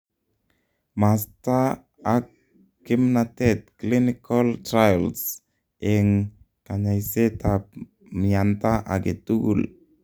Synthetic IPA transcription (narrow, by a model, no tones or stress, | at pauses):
mast̪a | akː | imnat̪ɛt̪̚klinikalt̪ɾajls | ɛŋ | kaɲajset̪ap | miant̪aʔaɡet̪uɡṵl